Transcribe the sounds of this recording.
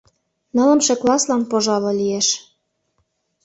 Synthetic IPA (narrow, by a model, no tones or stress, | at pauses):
nɤ̆lə̆mʃeklɑslɑnpoʒɑlŏlieʃ